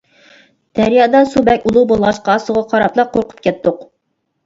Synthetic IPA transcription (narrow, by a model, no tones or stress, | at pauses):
d̪̥ɛɾjɑd̪ɑsubɛkʲulˠubolˠʁɑʃqɑːsuʁɑqʰɑɾɑplˠɑqʰoɾqʰʊ̥p̚kʲɛt̪ːʊq